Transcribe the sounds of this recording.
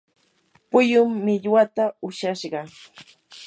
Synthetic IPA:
pʊjʊmːɪʎwat̪aʊʃaʃɢɑ

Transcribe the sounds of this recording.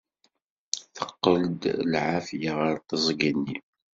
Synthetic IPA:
θəqːəld̪lʕafjaʁəɾt̪əzˤɡənːi

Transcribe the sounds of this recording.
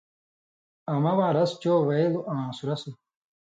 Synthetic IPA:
ɐmɐwaːɾɐst͡ɕoːwejluʔãːsuɾɐsu

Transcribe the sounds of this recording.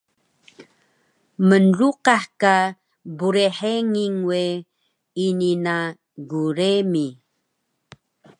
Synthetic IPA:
mənruqaħka | buɾeħeŋiŋwe | inina | ɡuɾemi

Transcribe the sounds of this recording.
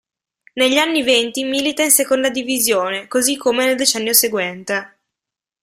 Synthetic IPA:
neʎːanːivent̪imiːlit̪ainsekond̪ad̪ivizjoːnekozikʰːomeneld̪et͡ʃɛnːjoseɡwɛnt̪e

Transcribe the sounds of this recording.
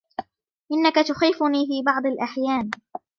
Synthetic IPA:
ʔɪnːakat̪ʊxiːfʊniːfiːbɑʕd̪ˤɑlʔaħjaːn

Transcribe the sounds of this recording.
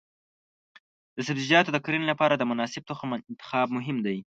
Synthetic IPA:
d̪əsabzid͡ʒɑt̪od̪əkɾinolapɑɾad̪əmʊnɑsɪb̚t̪oxmɪnt̪ɪ̥xɑb̚mʊɦɪmd̪aj

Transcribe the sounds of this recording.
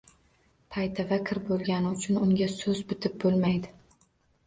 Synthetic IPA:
pʰajt̪ʰavakʲʰɪɾbolˠɡʲanɪʊt͡ʃʰʊnʊŋʲasɵzbʊt̪ʰɪp̚bolˠmajd̪ɪ

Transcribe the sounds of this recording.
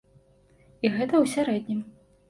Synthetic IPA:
iɣɛt̪ɐwsʲaɾɛd̪ʲnʲim

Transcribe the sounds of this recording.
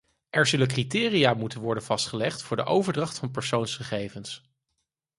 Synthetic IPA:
ʔɛɹzɵləkritɪːrijaːmutənʋɔɹdənv̥ɑstχəlɛχtfʊːɹdəʔowvəɹdrɑχtfɑnpəɹsownsχəχejvəns

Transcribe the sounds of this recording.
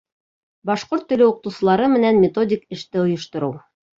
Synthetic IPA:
bɑʃqoɾt̪ːɵ̆lɘuqɤ̆t̪ɤ̆wsɤ̆lˠɑɾɤmɘ̆nænmʲet̪o̞dʲɪkɘ̆ʃt̪ɘŏjɤ̆ʃt̪ŏɾɤw

